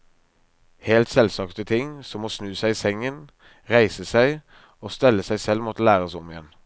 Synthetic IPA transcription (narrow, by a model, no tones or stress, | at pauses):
heːlt̪sɛlsɑkt̪ət̪ʰɪŋsɔmoːsnʉːsæɪiːsɛŋən | ʁæɪsəsæɪ | oːst̪ɛlːəsæɪsɛlmɔt̪əlæːʁəsɔmɪjɛn